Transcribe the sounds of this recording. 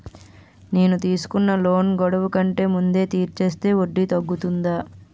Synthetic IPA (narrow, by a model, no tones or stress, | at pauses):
neːnut̪iːsu̥kunːɐlo̞ːnɡɔɽɐʋukɐɳʈe̞ːmund̪e̞ːt̪iːɾt͡ʃe̞ːst̪e̞ːoɖːit̪ɐɡːut̪und̪aː